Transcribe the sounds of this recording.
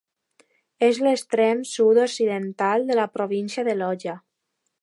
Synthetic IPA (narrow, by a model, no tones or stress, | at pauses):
ezlest̪ɾɛmsud̪oksiðent̪alˠd̪əlapɾoβ̞insjaðəlɔʒa